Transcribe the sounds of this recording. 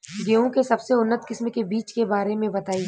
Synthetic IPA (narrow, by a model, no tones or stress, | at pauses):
ɡeũkesɐbseʊnːət̪kɪsmkebiːt͡ʃkebaːɾemẽbɐt̪aːiː